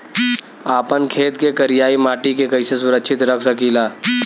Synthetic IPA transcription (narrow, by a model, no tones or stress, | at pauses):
aːpənkʰeːt̪kekɐɾɪjaːimaːʈikekɐises̬ʊɾəkʃʰɪt̪ɾəkʰsɐkiːlaː